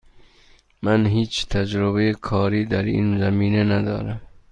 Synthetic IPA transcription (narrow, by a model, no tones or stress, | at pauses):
mænɦiːt͡ʃt̪ʰæd͡ʒɾoβejekʰɒːɾiːd̪æɾḭːnzæmiːnenæd̪ɒːɾæm